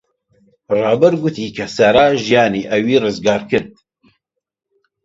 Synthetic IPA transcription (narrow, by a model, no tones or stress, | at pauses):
rɑːbɛɾɡʊt̪ʰiːkʰɛsɛɾaːʒijɑːniːʔɛwiːrɨzɡɑːɾkɨɾd̪̚